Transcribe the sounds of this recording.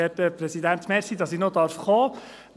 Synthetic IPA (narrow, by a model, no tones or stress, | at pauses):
ɛtəpɾɛsid̪ænt̪mɛɾsid̥ɑsinod̪ɑɾfχoː